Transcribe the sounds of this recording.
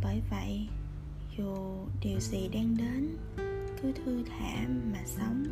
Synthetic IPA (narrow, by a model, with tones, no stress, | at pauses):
ɓəː˧˩jvə̰˧˨jʔ | zu˨˩ | ɗi˨˩əwzḭ˨˩ɗaː˧ŋɗe˨˦n | k̪ʰɨ˨˦t̪ʰɨ˧t̪ʰa̰ː˧˩˥maː˨˩sə˨˦wŋ͡m